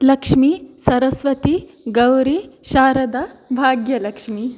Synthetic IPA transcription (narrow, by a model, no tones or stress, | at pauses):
lɐkʂmisɐɾɐsʋɐt̪iɡɐwɾiʃaːɾɐd̪ɐbʱaːɡjɐlɐkʂmi